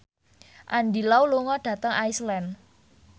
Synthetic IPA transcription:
ʔandilawluŋɔɖ̥ä̤t̪əŋajslɛn

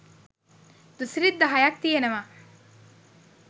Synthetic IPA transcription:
d̪̥usɾid̪ːɐɦajak̚t̪ijeneʋa

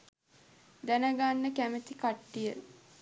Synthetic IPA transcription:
d̪ænəɡanːəkæmət̪ikaʈːijə

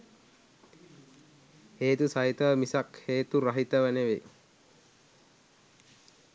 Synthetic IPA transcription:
heːt̪usaɦit̪əʋmisakheːt̪uɾaɦit̪əʋənəʋe

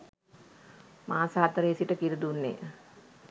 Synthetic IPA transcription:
maːsaɦat̪əɾəisiʈəkiɾud̪unːḛ

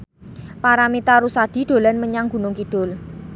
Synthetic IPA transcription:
paɾamit̪aɾusad̥i̤ɖ̪̥o̤lanməɲaŋɡ̥ṳnʊŋkiɖ̥ʊ̤l

